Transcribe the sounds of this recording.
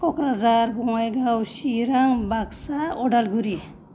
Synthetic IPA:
kɔkɾad͡zaɾbɔŋajɡawsiɾaŋbaksaɔɖalɡuɾi

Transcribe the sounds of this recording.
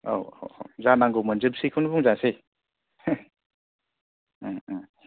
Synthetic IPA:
o̰wo̰w̰wzanaŋɡowmənzɯp̚sikʰɯnbuŋzase

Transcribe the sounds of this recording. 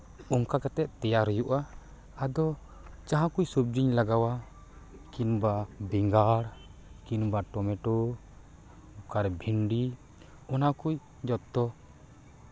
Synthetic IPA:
ɔŋkakat̪ɛʔt̪ɛjaɾɔjuʔaː | d̪ɔ | t͡ʃaɦãkujsub̚d͡ʒiɲlaɡawa | kinbabiŋɡaɾkinbaʈɔmɛʈɔ | ukaɾbʱinɖi | ɔnakuj | d͡ʒɔt̪ːɔ

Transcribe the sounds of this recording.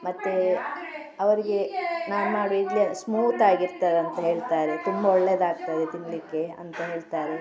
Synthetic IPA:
mɐt̪ːe | ɐʋɐɾiɡe̞naːnaːɽuidlismuːt̪aːɡiɾt̪aːɾeɐnt̪ɐɦe̞ːɭt̪aːɾet̪umbɐɔɭːed̪aːɡ̚t̪aːd̪et̪iɳlikːe̞ɐ̰nt̪ɐɦe̞ːɭt̪aːɾe

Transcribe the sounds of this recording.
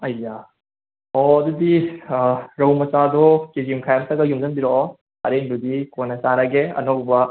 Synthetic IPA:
ɐja | ɔɐd̪udi | ɾɐwmɐsad̪ɔkid͡ʒimkʰajamtɐɡɐjumzɐnbiɾɔ | ɐ̰ɾendudikonɐsaɾɐɡeɐ̰nokbɐ

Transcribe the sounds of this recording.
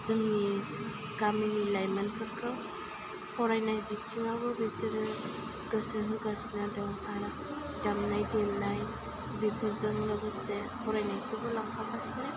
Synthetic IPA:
z̥ɯŋni | ɡ̥aminilajmanpʰɯɾkʰɯw | hɔɾajnajbit͡ʃʰiŋabɯbesiɾɯ | ɡ̥ɯsɯɦɯɡasnadamaɾa | damnajdemnaj | bipʰɯɾzɯŋlɯɡɯse | hʰɔɾajnajkʰɯbɯlaŋpʰakʰasle

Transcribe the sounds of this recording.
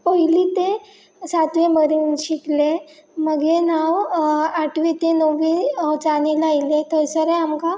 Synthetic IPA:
pəɦilit̪e | sat̪ʋeməɾinɕikle | məɡenawaʈʰʋit̪enoʋit͡sanilailet̪əsəɾeamka

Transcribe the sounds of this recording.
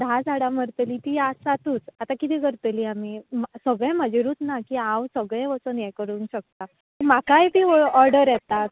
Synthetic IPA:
d̪ʱad͡zʱaɽaməɾt̪əliːt̪iːasat̪uːt͡sat̪akit̪iːkəɾt̪əliːamimsəɡɭẽməd͡ʑiɾuːt̪nakiãwsəɡɭẽʋət͡sənjɛkəɾuːŋkɕək̚t̪a | əmakajbʱiːɔɾɖəɾjɛt̪at̪

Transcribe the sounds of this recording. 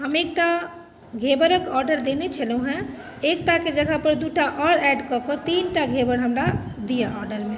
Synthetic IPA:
ɦəmek̚ʈa | ɡʱebəɾəkɔːɾɖəɾd̪enet͡ʃʰəlɦũɦɛ̃ | ek̚ʈaked͡ʒəɡʱapəɾd̪uʈaʔɔɽɛɖkɔket̪inʈaɡʱebəɾɦəmɾad̪ijaʔɔɾɖəɾmẽ

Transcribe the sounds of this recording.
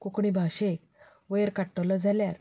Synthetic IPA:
kokɳ̃ibʱaɕek | ʋəjəɾkaʈːəlad͡zʱaljaɾ

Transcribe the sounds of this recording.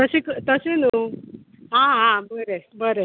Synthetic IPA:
t̪əsikt̪əsenu | ɦãɦãbəɾebəɾe

